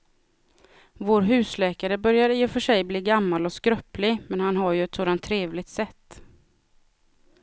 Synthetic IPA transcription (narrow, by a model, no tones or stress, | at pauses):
voːɾɦʉ̟ːslɛːkaɾəbœɾjaɾiːɔfœʂɛjbliːɡamːalɔskɾœpːlɪmɛnhanɦaɾjɵɛt̪soːd̪ant̪ʰːɾeːvlɪɡ̚t̪sɛt̪ː